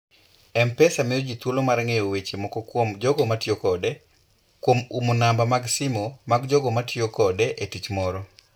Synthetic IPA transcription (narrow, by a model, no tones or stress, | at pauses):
ɛmpɛsamɪjod͡ʒit̪wolomaɾŋejowet͡ʃemɔkɔkwomd͡ʒɔɡɔmatjokɔde | kwomumonambamaɡsimomaɡd͡ʒɔɡɔmatʰjokɔdeʔetit͡ʃmɔɾɔ